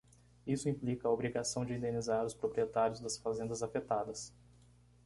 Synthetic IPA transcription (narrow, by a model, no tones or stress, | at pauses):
isʊĩmplikɐobɾiɡasɐ̃w̃d͡ʒɪĩnd̪ẽnizaɾʊspɾopɾiet̪aɾjʊzd̪ɐsfazẽnd̪ɐzafet̪ad̪ɐs